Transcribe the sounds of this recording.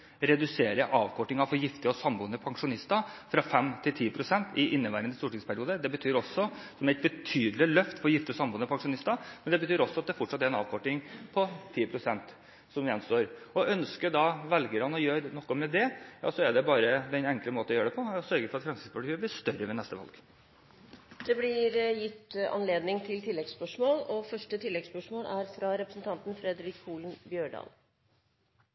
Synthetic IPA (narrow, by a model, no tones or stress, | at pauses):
ɾɛd̪ʉseːɾəʔɑːʋkʰɔʈːɪŋɑfɔɾjɪft̪ɪɔsɑmbuːnːəpʰɑŋʂʊnɪst̪ɑfɾɑfɛmːt̪ʰɪlt̪ʰiːpʰɾʊsɛnt̪ɪʔɪnːəʋæːɾənəst̪uːʈɪŋspʰæɾɪuːd̪əd̪ɛbət̪ʰyːɾɔsːɔsɔmæɪt̪̚bət̪ʰyːd̪lɪlœft̪fɔɾjɪft̪ɪɔsɑmbuːnəpʰɑŋʂʊnɪst̪ɑmɛnd̪ɛbət̪ʰyːɾɔsːɔɑt̪̚d̪ɛæɾfɔʈʂɑt̪ːæɾɛnɑ̰ːʋkʰɔʈːɪŋpʰɔt̪ʰiːpʰɾʊsɛnt̪ | sɔmjɛnst̪oːɾɔʔœnskəɖ̪ɑʋɛlɡəɾɑnɔjøːɾnɔkːɔmɛd̪ɛjɑ̰ːsɔɛɖɛbɑːɾəd̪ɛnɛŋkləmoːt̪ɔjøːɾəɖ̪ɛpʰɔsœɾɡəɾfɔɾɑt̪fɾɑnsɪspʰɑʈ̪yːəblɪʂt̪œɾəʋɛnɛst̪əʋɑ̰lɡ | d̪̥ɛblɪɾjɪt̪ːɑ̰nleːd̪nɪŋt̪ʰɪlt̪ʰɪlːɛɡspœʂmoːlɔfœʂʈət̪ʰɪlːɛɡspœʂmoːlæɾfɾɑɾɛpɾəsn̩t̪ʰɑnt̪n̩fɾɛd̪ɾɪkuːlnbjøːɖɑ̰ːl